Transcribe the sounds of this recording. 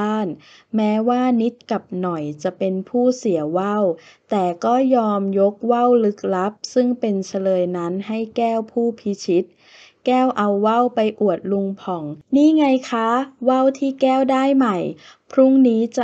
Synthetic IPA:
aː˥˩nmɛː˦˥waː˥˩ni˦˥t̪̚ka˨˩p̚nɔ˨˩jt͡ɕa˨˩ʔpe˧npʰuː˥˩si˨˩˦wa˥˩w | t̪ɛː˨˩kɔː˥˩jɔː˧mjo˦˥k̚wa˥˩wlɯ˦˥k̚la˦˥p̚sɯ˥˩ŋpe˧nt͡ɕʰa˧lɤː˧jna˦˥nɦa˥˩jkɛː˥˩wpʰuː˥˩pʰi˦˥t͡ɕʰi˦˥t̪̚ | kɛː˥˩wʔa˧wːa˥˩wpa˧jʔu˨˩ət̪̚lu˧ŋpʰɔ˨˩˦ŋniː˥˩ŋa˧jkʰa˦˥wa˥˩wt̪ʰiː˥˩kɛː˥˩wdaː˥˩jma˨˩j | pʰɾu˦˥˩ŋniː˦˥t͡ɕa˨˩

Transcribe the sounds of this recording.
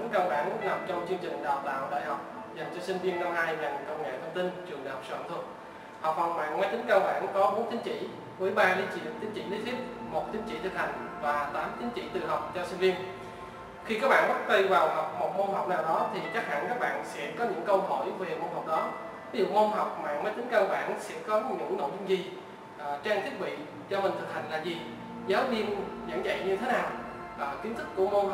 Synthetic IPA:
i˨˦ŋkaː˧wɓa̰ː˧˩n˦˥na˨˩m̚t͡ɕɔ˧wŋ͡mt͡ɕɨ˧əŋt͡ɕï˨˩ŋ̟ɗaː˨˩wt̪a̰ː˧˨wɗə̰ː˧˨jhɔ˨˩wk͡p̚ | za˨˩jŋ̟t͡ɕɔ˧si˧ŋ̟vi˧ənːa˧whaː˧jla˨˩nkə˧wŋ͡mŋḛ˧˨jt̪ʰə˧wŋ͡mt̪i˧nt͡ɕɨ˨˩əŋɗa̰ː˧˨jhɔ˨˩k͡psəa̰ː˧˨˧t̪ʰə˨˩t̚ | hɔ˨˩k͡p̚fɔ˨˩wma̰ː˧˨nŋa˧jt̪ï˨˦ŋ̟kaː˧wɓa̰ː˧˨nkɔ˨˦ɓo˨˦nt̪ʰi˨˦ŋt͡ɕḭ˧˩˨ | mɨ˧˩ə˦jɓaː˧li˨˧˦t͡ɕḭ˧˨t̪i˨˦ŋt͡ɕḭ˧˨li˨˦˥t̪ʰi˦˥əp̚mo˨˩t̚t̪ʰi˨˦ŋ̟t͡ɕḭ˧˩t̪ʰɨ˨˩k̚ha˨˩jŋ̟vaː˨˩t̪aː˨˦mt̪ʰi˨˦ŋ̟t͡ɕḭ˧˨t̪ɨ˨˩ɦa˨˩wk͡p̚t͡ɕɔ˧sï˧nvi˧ən | xi˧kaː˦˥k̚ɓa̰ː˧˨ɓə˦˥t̚t̪ə˧vaː˨˩wɦɔ˨˩wk͡p̚mo˨˩t̚mo˧nɦɔ˨˩wk͡p̚naː˨˩wɗɔ˨˦t̪ʰi˨˩t͡ɕa˦˥k̚ha̰˧˨nkaː˦˥k̚ɓa̰ː˧˨nsɛ̰˧˥kɔ˨˦ɲɨ̰˧˥ŋkə˧wɦo̰˧˨jve˨˩mo˧nɦa˨˩wk͡p̚ɗɔ˨˦ | vi˨˦zṵ˧˨mo˧mɦɔ˨˩wk͡p̚ma̰ː˧˨məː˨˦jt̪i˨˦ŋ̟kaː˧˩ɓa̰ː˧˨nsɛ̰˧˥kɔ˨˦ɲɨ̰˧˥ŋno̰˧˨jzʊ˧ŋ͡mzi˨˩ | ʔt͡ɕaː˧ŋt̪ʰi˦˥ət̚ɓḭ˧˨ | t͡ɕɔ˧mï˨˩ŋ̟t̪ʰɨ˨˩k̚ha˨˩ŋ̟laː˨˩zi˨˩ | zaː˨˦wvi˧ənzə̰˧˥ŋzə̰˧˨jɲɨ˧t̪ʰe˨˦naː˨˩w | ʔːki˨˦nt̪ɨ˦˥k̚ːu˧˩əmo˧

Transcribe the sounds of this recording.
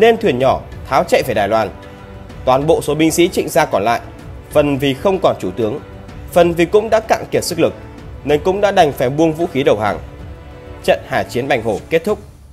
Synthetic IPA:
ne˧nt̪ʰwi˧˩ənɲɔ˧˩t̪ʰaː˨˦wt͡ɕɛ̰˧˨veː˧˩ɗaː˨˩jlwaː˧n | t̪waː˨˩nɓo̰˧˨so˨˦ɓï˧ŋ̟sḭ˧˥t͡ɕḭ̈˧˨ŋ̟zaː˧kɔ˧˩nla̰ː˧˨j | fə˨˩nvi˨˩xə˧wŋ͡mkɔ˧˩nt͡ɕu˧˩t̪ɨ˨˦əŋ | fə˨˩nvi˨˩kʊ̰˧˥ŋ͡mɗa̰ː˧˥ka̰ː˧˨ŋki˧˩p̚sɨ˦˥k̚lɨ˨˩k̚ | ne˧nkʊ̰˧˥ŋ͡mɗa̰ː˧˥ɗa˨˩jŋ̟fa˧˩jɓu˧əŋvṵ˧˥xi˨˦ɗə˨˩wha̰ː˨˩ŋ | t͡ɕə̰˧˨nhaː˧˩t͡ɕi˨˦ənɓa˨˩jŋho˧˩ke˦˥t̚t̪ʰʊ˦˥k͡p̚

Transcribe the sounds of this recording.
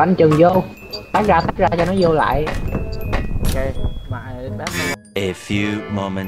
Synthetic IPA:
a˧˩ŋt͡ɕɨ˨˩ŋzo˧ | ɓa˨˦˥k̚zaː˧t̪ʰa˦˥k̚zaː˧t͡ɕɔ˧nɔ˨˦zo˧la̰ː˧˨j | ʔo˨ke˧ma̰ː˧˨ɓa˦ʔe˨fjumo˧mə̃˨n

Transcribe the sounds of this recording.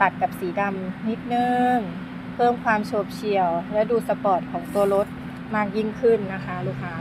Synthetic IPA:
t̪a˨˩t̪̚ka˨˩p̚siː˩˦da˧mni˦˥t̪̚nɯ˧ŋ | pʰɤː˥˩mkʰwaː˧mt͡ɕʰoː˧˥˩p̚t͡ɕʰi˧˩əwlɛ˦˥duː˧sa˧pɔː˨˩t̪̚kʰɔː˩˦ŋt̪u˧ɐlo˦˥t̪̚ | maː˧˥˩k̚ji˦˥˩ŋkʰɯ˧˩nːa˦˥kʰa˦˥luː˦˥˩kʰa˧˥

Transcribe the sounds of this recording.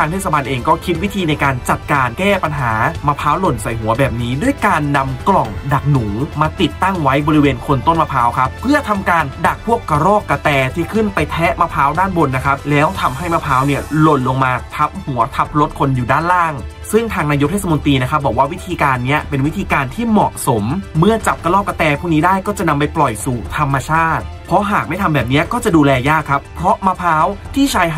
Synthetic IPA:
aː˧ŋt̪ʰeː˥˩sa˧ba˧nʔeː˧ŋkɔː˥˩kʰi˦˥t̪̚wi˦˥t̪ʰiː˧na˧jkaː˧nt͡ɕa˨˩t̪̚kaː˧nkɛː˥˩pa˧nɦaː˩˦maː˧pʰaː˦˥wlo˨˩nsa˨˩jɦu˨˩˦ɐbɛː˨˩p̚niː˦˥du˥˩əjkaː˧nːa˧mklɔ˨˩ŋda˨˩k̚nuː˩˦ŋmaː˧t̪i˨˩t̪ːa˥˩ŋwa˦˥jbɔː˧ɾi˧˦weː˧nkʰo˧nt̪o˥˩nma˧pʰaː˦˥wkʰa˦˥pʰɯ˥˩ɐt̪ʰa˧mkaː˧nda˨˩k̚pʰu˥˩əkːa˧ɾɔː˥˩kːa˧t̪ɛː˧t̪ʰiː˥˩kʰɯ˥˩npa˧jt̪ʰɛ˦˥ma˦˧˥pʰaː˦˥wdaː˥˩nbo˧nːa˦˥kʰa˦˥p̚lɛː˦˥wt̪ʰa˧mɦa˥˩jmaː˧˥pʰaː˦˥wni˥˩ɐlo˨˧˩nlo˧ŋmaː˧t̪ʰa˦˥p̚hu˩˦ɐt̪ʰa˦˥p̚lo˦˥t̪̚kʰo˧njuː˨˩daː˥˩nlaː˥˩ŋ | sɯ˥˩ŋt̪ʰaː˧ŋnaː˧jo˦˥t̪ʰeː˥˩sa˧mo˧nt̪iː˧na˦˥kʰa˦˥p̚bɔː˨˩k̚waː˥˩wi˦˥t̪ʰiː˧kaː˧nːi˦˥˩ɐpe˧nwi˦˥t̪ʰiː˧kaː˧nt̪ʰiː˥˩mɔ˨˩ʔso˩˦mːɯ˥˩ɐt͡ɕa˨˩p̚ka˧lɔː˥˩kːa˧t̪ɛː˧pʰuː˥˩kniː˦˥daː˥˩jkɔː˥˩t͡ɕa˨˩ʔna˧mpa˧jplɔ˨˩jsuː˨˩t̪ʰa˧mːa˧t͡ɕʰaː˥˩t̪̚pʰɔ˦˥ɦaː˨˩k̚ma˥˩jt̪ʰa˧bɛː˨˩p̚ni˦˥ɐkɔː˥˩t͡ɕa˨˩duː˧lɛː˧jaː˥˩kʰːa˦˥pʰːɾɔ˦˥ma˦˧˥pʰaː˦˥wt̪ʰiː˥˩t͡ɕʰaː˧j

